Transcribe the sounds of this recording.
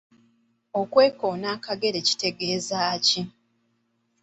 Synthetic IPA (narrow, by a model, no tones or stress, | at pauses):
o̞kwe̞ːkoːnaːkaɡe̞ɾe̞ci̥te̞ɡe̞ːzaːci